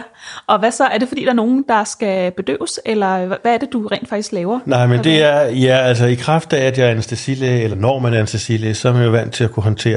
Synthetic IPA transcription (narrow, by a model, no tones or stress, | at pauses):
ʔɒ̽ʋæsɒ̽æɐd̥e̝fɒdḭːd̥ɑɐno̝ːn̩d̥ɑ̈sɡ̥æb̥e̝d̥ø̰ːʊselɐʋææɐd̥e̝d̥uʁɛ̰ːnd̥fɑ̈ɡ̥i̥sɡ̥lɛːʊɐnɑ̈ɪ̰mend̥e̝æɐjææl̰s̬əikʰʁɑfd̥ææd̥jɑ̈ɐensd̥esileelɐnɒmænæɐe̝nsd̥esilesɒæɐmænjoʋæn̰t͡sʰe̝lækʰuɦɒ̽nt͡sʰe̝̰ːɐ